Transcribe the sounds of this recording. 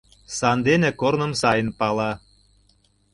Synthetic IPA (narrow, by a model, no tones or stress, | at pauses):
sɑnd̪enekornə̆msɑjə̆npɑlɑ